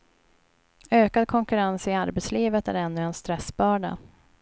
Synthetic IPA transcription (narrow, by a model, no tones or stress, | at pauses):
øːkad̪̚kʰɔŋkɵɾansɪaɾbɛt̪sliːvət̪æ̰ɾɛnːɵɛnst̪ɾɛsbɑːɖa̰